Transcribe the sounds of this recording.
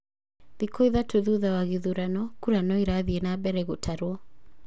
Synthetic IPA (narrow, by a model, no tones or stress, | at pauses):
ðikɔiðatoðuðawaɣiðuɾanɔkuɾanɔiɾaðiɛnabɛɾɛɣotʰaɾwɔ